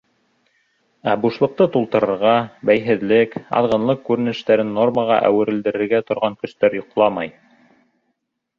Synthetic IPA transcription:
æbuʃlˠɤ̆q̚t̪ɤt̪ulˠt̪ɤ̆ɾɤ̆ɾʁɑbæjɦɘ̆ðlɘkɑ̰ðʁɤ̆nlˠɤqkʉɾɘ̆nɘ̆ʃt̪æɾɘnːo̞rməʁɑ̰ʔæ̰wɘ̆ɾɘ̆ld̪ɘ̆ɾɘ̆ɾɡæt̪ŏɾʁɑŋkɵ̆st̪æɾjŏqlˠɑmɑj

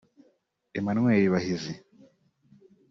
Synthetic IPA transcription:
emanŋweːɾiβahizi

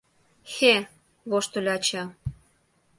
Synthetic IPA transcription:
xe | βoʃt̪ulʲɑt͡ɕɑ

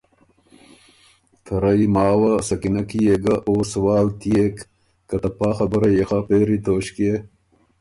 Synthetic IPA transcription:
t̪ʰɐɾɐimaːwɐsɐkinɐkijeɡɐʔoːswaːlt̪ijekː | ɐt̪ɐpaːxɐbɐɾɐjexɐpeːɾit̪ʰoːɕke

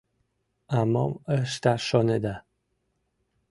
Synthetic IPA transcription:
amɔ̰məʃt̪aʃɔned̪a

